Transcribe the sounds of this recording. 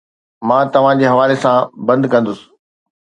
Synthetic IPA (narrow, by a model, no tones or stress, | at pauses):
mãːt̪ɐʋ̤ãd͡ʑeːɦɐʋaːlesãbɐ̃nd̪kɐ̃nd̪ʊsɪ̥